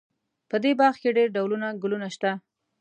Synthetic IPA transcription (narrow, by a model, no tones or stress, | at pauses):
pəd̪ebɑɾxkeɖeɾɖawlunaɡʊlunaʃt̪a